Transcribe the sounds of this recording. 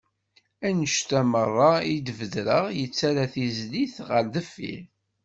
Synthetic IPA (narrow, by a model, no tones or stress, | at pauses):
ænəʃt̪æmərˤːɑid̪vəðɾəʁjət͡sːaɾaθizliθʁəɾðəfːḭɾ